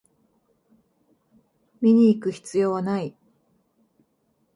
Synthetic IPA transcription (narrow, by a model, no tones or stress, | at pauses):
mʲiɲ̟iːkɯ̟çi̥t͡sɨjo̞ːβanai